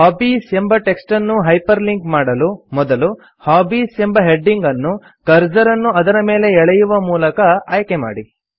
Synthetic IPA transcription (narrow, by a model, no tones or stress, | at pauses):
haːbiːsembɐʈe̞ksʈɐnːuɦɐjpɐɾliŋkmaːɽɐlumɔd̪ɐlu | haːbiːse̞mbɐɦe̞ɖːiŋɡɐnːu | kɐɾd͡ʒɐɾɐnːuɐd̪ɐɾɐme̞ːle̞ɛɭɐjuʋɐmuːlɐkɐaːjɐkema̰ːɽi